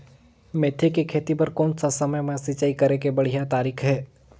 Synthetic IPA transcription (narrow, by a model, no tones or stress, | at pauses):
meːt̪ʰːekikʰeːt̪ipɐɾkɔːnsasɐməjmẽsɪt͡ʃaːikɐɾekebɐɽ̤ijat̪aːɾiːkʰɦɛː